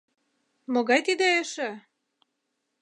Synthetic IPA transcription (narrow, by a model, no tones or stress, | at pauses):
moɣɑjt̪id̪eeʃĕ